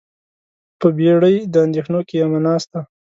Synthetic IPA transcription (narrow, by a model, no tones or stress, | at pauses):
pəbeɽəjd̪əand̪exnokejamanɑst̪a